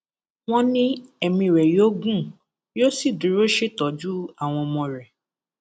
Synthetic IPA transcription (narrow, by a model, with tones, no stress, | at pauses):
w̃ɔ̃˦nĩ˦ɛ˦˨mĩ˧ɾɛ˨jo˦ɡũ˦˨ | jo˦si˦˨dũ˨˦ɾo˦ʃe˦tɔ˨d͡ʒu˦a˦˨w̃ɔ̃˧mɔ̃˧ɾɛ˨